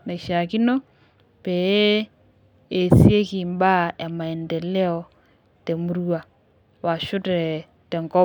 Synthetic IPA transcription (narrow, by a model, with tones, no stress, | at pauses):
na˨i˨ʃa˨ki˦no˦ | pe˨e˦ | e˨sje˦ki˨mba˦a˨ma˨ɛ˨ndɛ˨lɛ˦ɔ˨ | tɛ˨mu˦ɾu˦a˨ | wa˨ʃʊ˦tɾɛ˨ | tɛ˨ŋɡɔ˦